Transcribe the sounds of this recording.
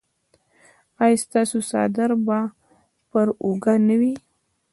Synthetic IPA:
ajst̪ɑsosɑ̰d̪aɾba | pəɾuɡanawi

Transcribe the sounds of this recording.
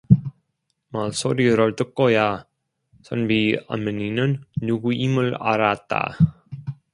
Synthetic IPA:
maɭsoɾiɾʌɭt͈ɯk̚k͈ʌja | sʰʌnbia̰mɯninɯnːuɡuʔimɯɭa̰ɾat̚t͈a̰

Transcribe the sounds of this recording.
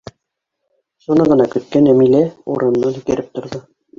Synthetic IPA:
ʃunɤʁɤ̆nɑkɵ̆t̪̚kænæmilæṵɾɤ̆nːɤkɘ̆ɾɘp̚t̪ŏɾðɤ

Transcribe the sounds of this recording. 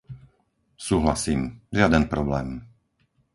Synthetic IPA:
suːɦlasiːmʒɪad̪ɛnpɾɔblɛːm

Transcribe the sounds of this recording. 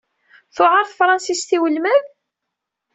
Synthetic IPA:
θʊʕɑɾθfɾˤɑnsisθiwəlmæð

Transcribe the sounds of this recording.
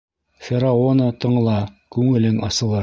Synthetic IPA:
fʲɪɾaonət̪ɤ̆ɴɤ̆lˠɑkʉŋɘ̆lɘŋɑsɤ̆lˠɤɾ

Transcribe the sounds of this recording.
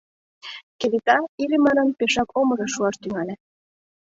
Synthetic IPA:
kelit̪ɑiɾimɑnɤnpeʃɑkomɤ̆ʒɑʃuɑʃt̪yŋɑlʲe

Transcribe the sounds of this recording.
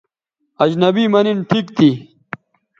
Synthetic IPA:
ɐd͡ʑnɐbimɐninʈʰikt̪i

